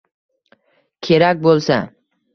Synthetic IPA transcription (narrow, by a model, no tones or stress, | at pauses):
kʲʰe̞ɾakʲbolˠsa